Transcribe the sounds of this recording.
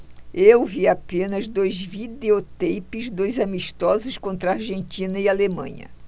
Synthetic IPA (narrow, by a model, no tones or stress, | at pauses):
ewviapẽnɐzd̪ojzvid̪eot̪ejpɪzd̪ojzamiʃt̪ɔzʊskõnt̪ɾɐaɾʒẽnt͡ʃ̪ĩnɐialemɐ̰̃ɲɐ̰